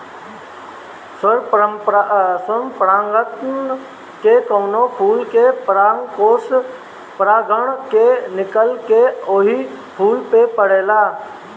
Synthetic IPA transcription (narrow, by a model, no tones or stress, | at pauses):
səɾ | səmpɾaːŋɡət̪ | kekəːnopʰuːlkepɾaːŋkoːs | pɾaːɡəɳ̃kenɪkəlkeoːɦi | pʰuːlpepəɽ̤eːlaː